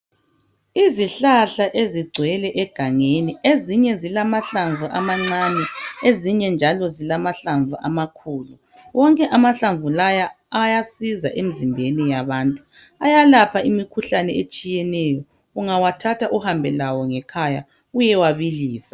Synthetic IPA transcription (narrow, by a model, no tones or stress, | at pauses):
iziɬaɬaʔeziɡ͡ǀʱwɛlɛʔɛɡ̥ʱaŋenieziɲɛzilamaɬaɱvʱuʔamaŋ͡ǀanɛeziɲɛnd͡ʒʱalɔzilamaɬaɱvʱuʔa̰makʰuːlu | wɔŋkʼɛʔamaɬaɱvulaja | ajasiza̰ʔem̩zimbʱenijaβaːntʼu | ajalapʰaʔimikʰuɬanɛet͡ʃʼijɛnɛjɔ | uŋawatʰatʰaʔuhambʱɛlawɔŋɛkʰaja̰ | ujɛwaβiliːsḁ